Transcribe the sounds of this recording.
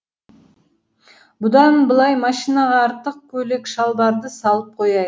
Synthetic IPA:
bʊd̪ɑnbəlˠɑjmɑʃijnɑʁɑːɾt̪əq̚kʲʰɵle̞kʃɑlˠbɑɾd̪əsɑlˠəp̚qʰo̞jɑj

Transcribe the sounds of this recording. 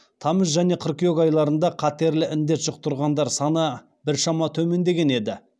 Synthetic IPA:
t̪ʰɑməsʒæn̪e̞qʰərkʲijokɑjlˠɑɾənd̪ɑqʰɑt̪e̞ɾlɪʔɪnd̪e̞t̪ʒəq̚t̪ʊɾʁɑnd̪ɑɾsɑnə | bɪɾʃɑmɑt̪ʰɵme̞nd̪e̞ɡʲe̞ne̞d̪ɪ

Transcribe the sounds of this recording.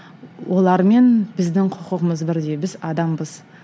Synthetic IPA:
wʔo̞lˠɑɾme̞nbɪzd̪ɪŋqʰʊqəʁəməzbɪɾd̪e̞bɪzɑd̪ɑmbəz

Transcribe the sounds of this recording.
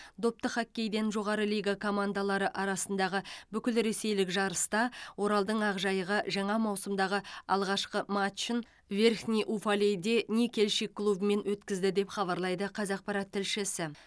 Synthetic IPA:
d̪o̞p̚t̪əχakʲːe̞jd̪e̞nʒo̞ʁɑɾəlijɡakʰo̞mand̪alˠɑɾəʔɑɾɑsənd̪ɑʁəbʏkʲɪlɾe̞se̞jlɪkʒɑɾəst̪ɑwo̞ɾɑlˠd̪əɴɑʁʒɑjəʁɑʒɑɴɑmɑwsəmd̪ɑʁəɑ̰lˠʁɑʃqəmat̪t͡ʃɪn | ve̞rxnʲijʔufalʲejd̪e̞nekʲʰe̞lʃikʰːlˠubəme̞nwɵt̪kʲɪzd̪ɪd̪e̞pχɑβɑɾlˠɑjd̪əqʰɑzɑq̚pɑɾɑt̪ʰːɪlʃɪsɪ

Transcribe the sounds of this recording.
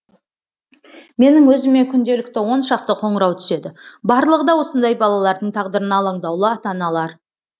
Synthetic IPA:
me̞nɪŋwɵzɪme̞kʲʰʏnd̪e̞lɪkt̪ɪwo̞nʃɑqt̪əqʰo̞ɴəɾɑwt̪ʰʏ̥se̞d̪ɪbɑɾlˠəʁəd̪ɑwo̞sənd̪ɑjbɑlˠɑlˠɑɾd̪əɴt̪ʰɑʁd̪əɾənɑːlˠɑɴd̪ɑwlˠəɑt̪ɑnɑlˠɑɾ

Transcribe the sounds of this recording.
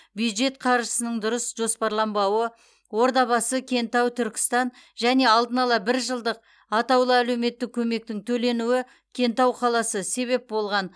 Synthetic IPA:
bjud̪ʒe̞t̪̚qʰɑɾʒəsənəɴd̪ʊɾəsʒo̞spɑɾlˠɑmbɑwə | wo̞ɾd̪ɑβɑsəkʲʰe̞nt̪ɑwt̪ʰʏɾkʲɪ̥st̪ɑn | ʒæne̞ɑlˠd̪ənɑlˠɑbɪɾʒəlˠd̪əq̚ | ɑt̪ɑwlˠəæle̞wme̞t̪ːɪk̚ʲʰɵme̞k̚t̪ɪŋt̪ʰɵle̞nuɪ | kʲʰe̞nt̪ɑwqʰɑlˠɑsəse̞βe̞p̚bo̞lˠʁɑn

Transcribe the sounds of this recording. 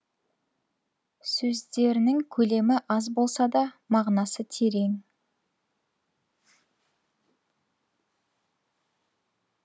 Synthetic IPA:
sɵzd̪e̞ɾɪnɪŋkʲʰɵle̞mɪʔɑzbo̞lˠsɑd̪ɑmɑʁnɑsət̪ʰe̞ɾe̞ŋ

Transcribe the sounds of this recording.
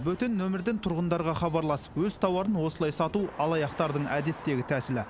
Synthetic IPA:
bɵt̪ɪnːɵmɪɾd̪ɪnt̪ʰʊɾʁənd̪ɑɾʁɑχɑbɑɾlˠɑsə̥pwɵz̥t̪ʰɑwɑɾənwo̞səlˠɑjsɑt̪uʔɑlˠɑjɑqt̪ɑɾd̪əɴʔæd̪e̞t̪ːe̞ɡʲɪt̪ʰæsɪlɪ

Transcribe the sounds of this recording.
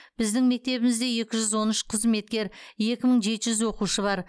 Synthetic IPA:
b̥ɪzd̪ɪŋme̞k̚t̪e̞βɪmɪzd̪e̞je̞kʲɪʒʏzwo̞nʏʃqʰəzme̞t̪̚kʲe̞ɾje̞kʲɪməɴʒe̞t̪ɪʒʏzwo̞quʃəbɑɾ

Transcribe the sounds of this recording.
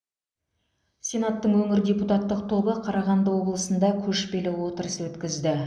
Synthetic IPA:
sʲe̞nat̪ːəɴwɵŋɪɾdʲe̞put̪ɑt̪ːəq̚t̪ʰo̞bəqʰɑɾɑʁɑnd̪əwo̞blˠəsənd̪ɑkʲʰɵʃpe̞lɪwo̞t̪əɾəswɵt̪kʲɪzd̪ɪ

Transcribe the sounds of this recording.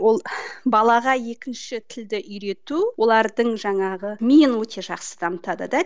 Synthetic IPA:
wo̞lˠbɑlˠɑʁɑje̞kʲɪnʃɪt̪ʰɪld̪ɪʔʏjɾe̞t̪uwo̞lˠɑɾd̪əɴʒɑɴɑʁəmʲijɪnwɵt̪ʰe̞ʒɑqsə̥d̪̥ɑmət̪ɑd̪ə̰d̪ɑ

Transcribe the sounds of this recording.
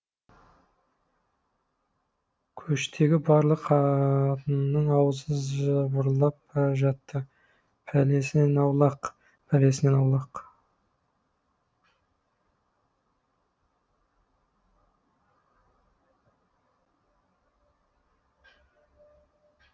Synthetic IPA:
kʲʰɵʃt̪ʰe̞ɡʲɪbɑɾlˠəqʰt̪ənnːəɴɑwəzəzbʊɾlˠɑpʒɑt̪ːə | pʰæle̞sɪne̞nɑwlˠɑq | pʰæle̞sɪne̞nɑwlˠɑq

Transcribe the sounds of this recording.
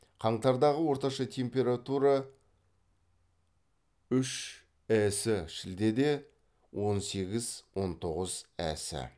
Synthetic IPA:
qʰɑɴt̪ɑɾd̪ɑʁəwo̞ɾt̪ɑʃɑt̪ʲʰe̞mpʲe̞ɾat̪uɾɑ | ʏʃ | æsɪʃɪld̪e̞d̪e̞ | wʔo̞nse̞ɡʲɪzwo̞nt̪ʰo̞ʁəz̥æ̰sɪ̰

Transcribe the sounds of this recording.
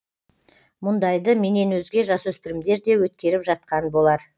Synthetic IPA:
mʊnd̪ɑjd̪əme̞ne̞nwɵzɡʲe̞ʒɑswɵspɪɾɪmd̪e̞ɾd̪e̞wɵt̪̚kʲe̞ɾɪpʒɑt̪̚qɑnbo̞lˠɑɾ

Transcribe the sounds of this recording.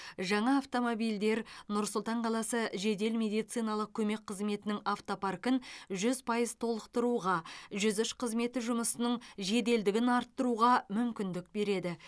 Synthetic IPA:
ʒɑɴɑːft̪o̞mobijld̪e̞ɾnʊɾsʊlˠt̪ɑɴqʰɑlˠɑsəʒe̞d̪e̞lmʲe̞d̪ijt̪sijnɑlˠəq̚kʲʰɵme̞k̚ʲqʰːəzme̞t̪ɪnɪŋaft̪o̞parkənʒʏzpʰɑjəzt̪ʰo̞lˠəqt̪əɾuʁɑʒʏzʏʃqʰəzme̞t̪ɪʒʊməsənəɴʒe̞d̪e̞ld̪ɪɡʲɪnɑɾt̪ːəɾuʁɑmʏmkʲɪnd̪ɪk̚be̞ɾe̞d̪ɪ

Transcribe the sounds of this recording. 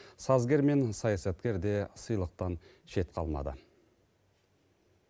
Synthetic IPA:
sɑzɡʲe̞ɾme̞nsɑjɑsɑt̪kʲe̞ɾd̪e̞səjlˠəq̚t̪ɑn | ʃe̞t̪qʰɑ̰lˠmɑ̰d̪ə̰

